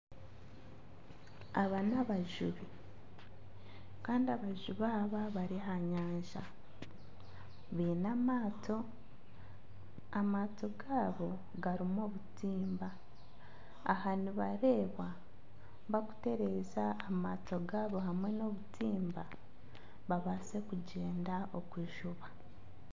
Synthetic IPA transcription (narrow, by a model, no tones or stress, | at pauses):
aβanaβaʒuβi | kaːndiaβaʒuβaːβaβaɾiɦaɲaːɲʒa | βiːnamaːto̞ | amaːto̞ɡaːβo̞ | ɡaɾimo̞ːβutiːmba | haniβaɾe̞ːβwa | βaku̥te̞ɾe̞ːzaːmaːto̞ɡaːβo̞ɦamwe̞no̞ːβutiːmba | βaβase̞kuɟe̞ːndao̞kwiʒuβa